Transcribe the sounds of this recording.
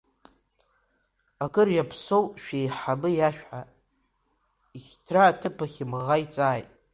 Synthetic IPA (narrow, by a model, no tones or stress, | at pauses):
akʼɨrjapʰsowʃᶣejħabɨjaʃᶣħa | iχʲtʰraːtʰɨpʰaχʲɪmʁajt͡sʼaːjtʼ